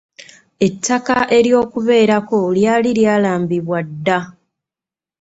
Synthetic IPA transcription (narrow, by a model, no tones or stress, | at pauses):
e̞tʰːakaʔe̞ɾjo̞ːkuβe̞ːɾako̞ljaːliljaːlaːmbiβwadːa